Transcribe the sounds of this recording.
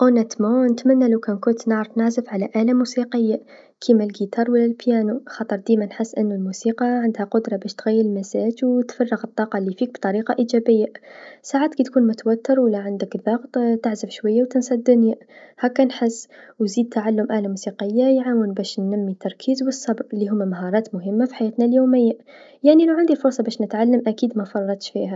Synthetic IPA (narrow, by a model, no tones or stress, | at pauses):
ʔonæt̪monət̪mænːalawkænkʊnt̪naʕɾfnaʕzəfʕalæʔalamusiqəjːa | kʰimælɡit̪ɑːɾˤwəlːælpjæːnuxɑt̪ˤəɾˤd̪imanħəsːʔənːʊlmusiːqɑʕand̪hæqʊd̪ɾˤɑbæʃt̪ɣæjːəɾɪlmæsæːd͡ʒwt̪fɑrˤːəɣət̪ˤːɑːqɑlːifiːk̚bt̪ˤɑɾiːqɑʔid͡ʒæbəjːasaʕaːt̪kit̪kuːnmʊt̪wæt̪ːəɾwəlːaʕand̪əkðɑɣt̪ˤt̪aʕzəfʃwajːawt̪ɪnsɑd̪ːʊnja | hækːænħəsːwziːd̪̚t̪ːaʕalːʊmʔaʕlamusiqəjːajʕawənbæʃnːæmːit̪ːɑɾˤkʰiːzwəsˤːɑbɾlːiɦʊmːæmaɦɑɾˤɑːt̪mʊɦəmːafi̥ħajæːt̪naljoːmɪjːa | jaʕnilawʕand̪ilfʊɾˤsˤɑbæːʃnət̪ʕalːəmʔækiːd̪mæfɑrˤːɑt̪ʃfihæ